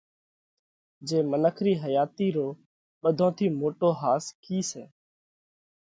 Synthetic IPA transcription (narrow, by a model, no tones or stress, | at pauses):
d͡ʒeːmənəkʰɾiːɦəjaːt̪iːɾoː | ɓəd̪ʱõːt̪ʰiːmoːʈoːɦaːskʰiːsɛ̰ː